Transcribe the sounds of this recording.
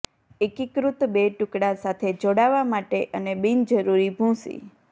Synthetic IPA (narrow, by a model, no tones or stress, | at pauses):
ekikɾut̪beʈʊkɽasat̪ʰed͡ʒoɽaʋamaʈeʔənebind͡ʒəɾuɾibʱũsḭ